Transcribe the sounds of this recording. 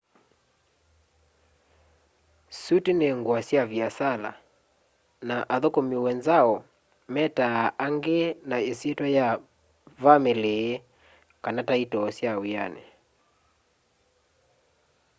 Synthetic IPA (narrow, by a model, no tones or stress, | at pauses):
sutineŋɡwasjavjasala̰ | naʔaðokomiwɛnzaɔ | mɛtaaŋɡenaesietwaja | vameleː | kanataitɔsjawia̰nḛ